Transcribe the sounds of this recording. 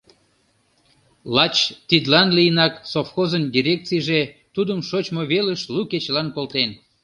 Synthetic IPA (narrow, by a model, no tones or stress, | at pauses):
lɑt͡ɕt̪id̪lɑnlijənɑksofxozənd̪ʲiɾʲek̚t͡sijʒet̪ud̪əmʃot͡ɕmoβeləʃluket͡ɕlɑnkolt̪en